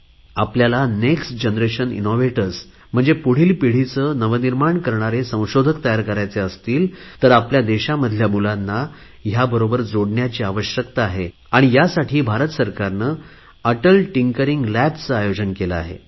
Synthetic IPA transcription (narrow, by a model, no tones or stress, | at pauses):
apljalaneksʈd͡ʑənɾeɕənḭnoʋeʈəɾs | m̤əɳd͡zepuɽ̤iːlpiɽ̤it͡səːnəʋəniɾmaɳkəɾɳ̃aɾesə̃w̃ɕod̪ʱəkt̪əjaɾkəɾajt͡seəst̪iːlt̪əɾapljad̪eɕaməd̪ʱljamulanːa | jabəɾobəɾd͡zoɽɳjat͡ɕiːaʋəɕjəkt̪aːɦe | aɽ̃ijasaʈʰiːbʱaɾət̪səɾkaɾnəː | əʈəlʈiŋkəɾiŋɡlæbt͡səajod͡ʑənkeləa̰ɦḛ